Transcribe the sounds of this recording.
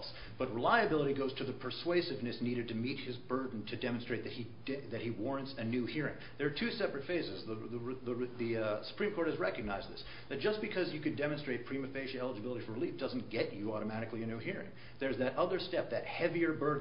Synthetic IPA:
s | b̥ʌt̚ɹəlaɪɨbɪlˠəɾiɡoʊz̥tʰɨðɨpʰə˞sweɪsɨvnɨsniɾɨd̚tʰɨmit̚hɨzbɜ˞dⁿn̩tʰɨdɛm̃nstɹ̥eɪt̪̚ðɨt̚hi | ðɨt̚hiwɔɹɨ̃ntsɨnʉhiɹɪ̰̃ŋðə˞ːtʰʉsɛpɹɨtfeɪzɨzðəðəðɨsə̥pʰɹ̥ĩmkʰɔɹt̚hɨzɹɛkɨɡ̚naɪzðɪs | ðɨt̚d̥ʒ̥ʌsb̥ɨkʰʌzjɨkɨndɛmɨ̃nstɹ̥eɪt̚pʰɹ̥ĩmɨfeɪʃɨɛlˠəd͡ʒɨbɪlˠəɾifə˞ɹɨlifd̥ʌzn̩ɡ̥ɛt͡ʃɨɔɾəmæɾɨklˠiɨnʉhiɹɪ̰̃ŋ | ðə˞zðɨɾʔʌðə˞stɛp̚ðɨt̚hɛviə˞bɜ˞dⁿ

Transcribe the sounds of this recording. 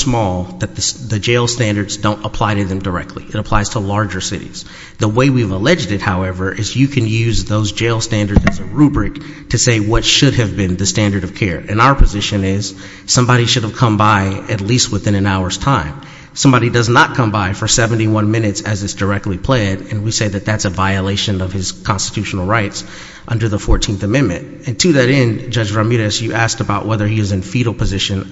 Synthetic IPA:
smɔlˠðɨt̪̚ðɨsðɨd͡ʒeɪlˠstæ̃ndə˞dzdõʊ̃ntəpʰl̥aɪɾɨðɨ̃mdə˞ɛ̰k̚tʰˡlḭɨɾəpʰl̥aɪz̥tʰəlɑɹd͡ʒə˞sɪ̰ɾḭz̥ | ðəweɪwivəlɛd͡ʒdɨt̚haʊɛvə˞ʔɪzjɨkʰɨ̃njʉzðoʊzd͡ʒeɪlˠstæ̃ndə˞dzɨzɨɹʉbɹɪk̚ | tʰɨseɪwʌtʃʊɾɨvbɨ̃nðɨstæ̃ndə˞ɾʌv̥kʰɛɹɨ̰̃naʊə˞pʰɨzɪʃɨ̃nɪz̥ | sʌ̃mbɑɾiʃʊɾəv̥kʰʌ̃mbaɪɨt̬ˡlist̚wəθɪ̃ñɨ̃naʊə˞z̥tʰãɪ̃m | sʌ̃mbɑɾidʌznət̚kʰʌ̃mbaɪfə˞sɛvn̩tiwʌ̃nmɪ̃nɨtsɨzɨtsd̥ə˞ɛk̚tʰˡlipʰl̥eɪɾɨ̃nwiseɪðɨt̪̚ðætsɨvaɪɨleɪʃɨ̃nʌv̥ɨz̥kʰɑ̃nstɨtʰʉʃn̩l̩ˠɹaɪts | ʔʌ̃ndə˞ðəfɔɹtʰĩnθɨmɛ̃nmɨ̰̃nt | ɨ̃ntʰɨðɨɾɛ̃nd͡ʒʌd͡ʒɹɑmiɾɨsjɨʔæsk̚təbaʊʔwɛðə˞iɨzɨ̃nfiɾl̩ˠpʰɨzɪʃɨ̃n

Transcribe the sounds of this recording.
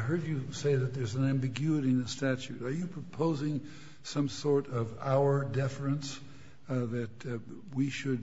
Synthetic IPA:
ɪɦɜ˞d͡ʒɨseɪðɨt̪̚ðə˞zn̩æ̃mbɨɡjʉɨɾiɨ̃nðɨstæt͡ʃʉɾə˞jɨpʰɹ̥ɨpʰoʊzɪ̃ŋ | sʌ̃msɔɹɾʌvaʊə˞dɛfɨ̃ns | ðɨt̚ | wiʃɨd̚

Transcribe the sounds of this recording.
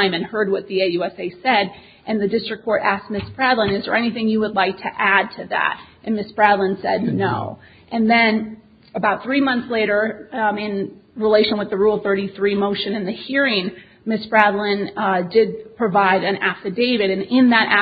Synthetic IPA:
ɪ̃mɨ̃nhɜ˞d̚wʌt̪̚ðieɪjʉɛseɪsɛɾ | ʔɨ̃nðɨdɪstɹ̥ɨkʰːɔɹɾæsk̚mɪsb̥ɹædlˠə̃nɨzðə̰˞ɛñiθɪ̃ŋjɨwədˡlaɪk̚tʰɨʔæd̚tʰɨðæ̰ɾʔɨ̃nmɪsb̥ɹædlˠə̃nsɛdⁿnoʊ | ʔɨ̃nðɨ̃n | əbaʊt̪̚θɹimʌ̃nθsleɪɾə˞ɪ̃nɹileɪʃɨ̃nwɨðɨɹulˠθɜ˞ɾiθɹimoʊʃɨ̃nɨ̃nðɨhiɹɪ̃ŋ | mɪsb̥ɹædl̩ˠɨ̃ndɪd̚pʰɹ̥ɨvaɪɾɨ̃næftɨdeɪvɨɾɨ̃nɪ̃nðəɾʔæ

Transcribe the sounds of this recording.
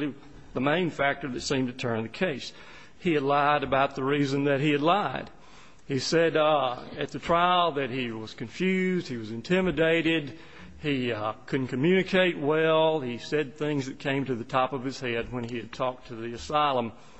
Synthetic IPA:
ðəmẽɪ̃nfæk̚tə˞ðɨtsĩmtɨtʰɜ̃˞nðɨkʰeɪs | hiɨdˡlaɪɾɨbaʊt̪̚ðəɹizɨ̃nðɨt̚hiɨdˡlaɪd̥ | hisɛɾɨt̪̚ðɨtʰɹ̥aɪlˠðɨt̚hiwʌz̥kɨ̃ɱfjʉzd̥̚hiwʌzɨ̃ntʰɪ̃mɨdeɪɾɪd | ikʰʊdⁿn̩kʰɨmjʉnɨkʰeɪt̚wɛlˠisɛd̪̚θɪ̃ŋzðɨt̚kʰẽɪ̃mtɨðɨtʰɑpʌv̥ɨz̥hɛd̚wə̃niɨd̚tʰɔk̚tʰɨðiɨsaɪlˠə̃m

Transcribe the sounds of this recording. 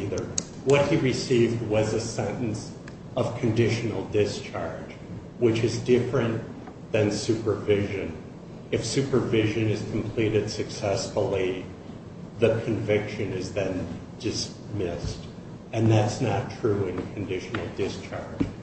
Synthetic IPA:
ðə˞ | wʌt̚hiɹɨsivd̚wʌzɨsɛ̃nɨ̃n̩s | ʌv̥kʰɨ̃ndɪʃɨn̩l̩ˠdɪst͡ʃʰɑɹ̥d͡ʒ | wɨt͡ʃɨzdɪfɹɨ̃n | ðɨ̃nsʉpə˞vɪʒɨ̃n | ɨfsʉpə˞vɪʒɨ̃nɨz̥kʰm̩pʰl̥iɾɨd̥sɨksɛsfl̩ˠi | ðɨkʰɨ̃ɱvɪkʃɨ̃nɨzðɨ̃n | d̥ɨs | mɪst | ɨ̃nðætsnɨtʰɹ̥ʉɪ̃nkʰɨ̃ndɪʃn̩l̩ˠdɪst͡ʃʰɑɹd̥ʒ̥

